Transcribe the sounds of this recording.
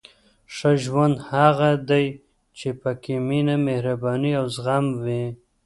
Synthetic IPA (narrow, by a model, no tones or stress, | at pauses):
ʂaʒwand̪haɣad̪aj | t͡ʃepakeminamehɾabɑniawzɣamwi